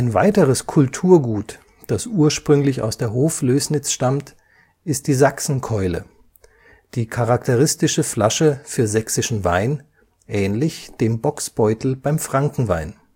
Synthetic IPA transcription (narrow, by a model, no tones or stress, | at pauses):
ʔaɪnva̰ɪtəʁəskʰʊltʰuːɐɡuːt | d̥asʔuːɐʃpʁ̥ʏŋlɪça̰ʊsd̥eːɐɦoːfløːsnɪt͡sʃtamt | ʔɪst̚d̥iːzaksn̩kʰɔʏlə̰ | d̥iːkʰaʁaktʰəʁɪstɪʃəfla̰ʃəfyːɐzɛksɪʃn̩va̰ɪn | ʔɛːnlɪçd̥eːmbɔksb̥ɔʏtl̩b̥aɪmfʁ̥aŋkŋ̩va̰ɪn